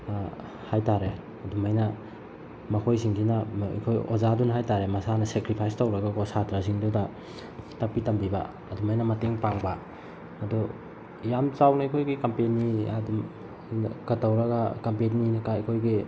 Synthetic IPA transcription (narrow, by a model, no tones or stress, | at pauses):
hajtaɾe | ɐdumajnɐ | mɐkʰojsiŋɡinɐḭkʰojo̰zadunɐɦajtaɾemɐsanɐsekɾipʰajstɐwɾɐɡakosatɾas̬iŋdudɐ | tɐk̚pitɐmbibɐ̰ | ɐdumajnɐmɐteŋpaŋbɐː | du | jamt͡ʃawnɐikʰojɡikɐmpeniɐdum | kɐtːɐwɾɐɡɐkɐmpenninɐkaɐkʰojɡi